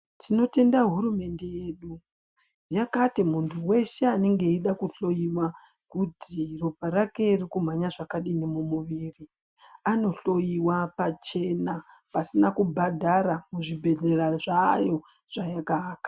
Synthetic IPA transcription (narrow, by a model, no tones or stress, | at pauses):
tʰino̞te̞ndaɦuɾume̞nde̞jeːɗu | jakatimuntʰuwe̞ʃeane̞ŋɡe̞iɗakuɬo̞jiwa | kutiropaɾake̞irikum̤aɲaʐakaɗinimumuʋiːri | ano̞ɬo̞jiwapat͡ʃe̞na | pasinakubʱadʱaɾamuʐibʱe̞ɮe̞raʐajo̞ | ʐ̥ajakaːkḁ